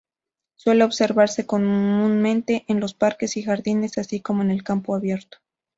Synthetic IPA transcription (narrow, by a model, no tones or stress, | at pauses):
swe̞le̞oβse̞ɾβaɾse̞ko̞mmũnmẽ̞nt̪e̞ʔenlo̞spaɾke̞sixaɾðine̞sasiko̞mo̞ene̞lkampo̞aβje̞ɾt̪o̥